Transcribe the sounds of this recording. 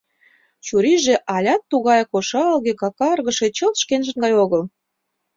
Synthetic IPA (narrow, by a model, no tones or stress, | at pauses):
t͡ɕuɾiʒĕʔɑlʲɑt̪ːuɣɑjkoʃɑlɣekɑkɑrɣə̆ʃĕt͡ɕəlʃkenʒə̆nɡɑjoɣəl